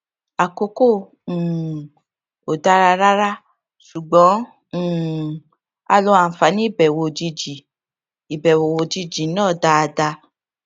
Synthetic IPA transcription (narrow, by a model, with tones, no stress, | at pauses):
a˨ko˨˧˦ko˦˨ | o˨da˦ɾa˧ɾa˦ɾa˦ | ʃu˨ɡ͡bɔ̃˨˦˨ | a˧lo˧˦a˨fa˨˦nĩ˦i˦˨bɛ˨wo˨d͡ʒi˧d͡ʒi˨ | i˨bɛ˨wo˨wo˨d͡ʒi˧d͡ʒi˨nãː˦˨da˧˦a˧da˧